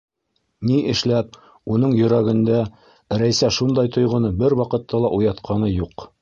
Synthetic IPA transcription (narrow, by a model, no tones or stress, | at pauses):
niʔɘ̆ʃlæp̚ | unɤɴjɵ̆ɾæɡɘ̆nd̪æ | ɾæjsæʃund̪ɑjt̪ŏjʁŏnɤbɘɾwɑqɤ̆t̪ːɑlˠɑʔujɑt̪qʰɑnɤjuq